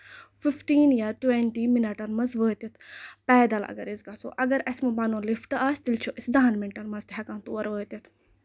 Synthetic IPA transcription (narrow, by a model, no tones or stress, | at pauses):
fifʈiːnjaːʈwẽɳʈiːminɐʈɐnmɐzʋəːt̪ɐt̪pɛːd̪ɐlɐ̰ɡɐɾizɡaso̰ʔɐɡɐɾɐsmubɐnoːlifʈɐaːst̪ilt͡ʃʰuʔisd̪aːnmɛnʈɐɾmɐzt̪ɦɐkãːnt̪uɐɾəːt̪ɐt̪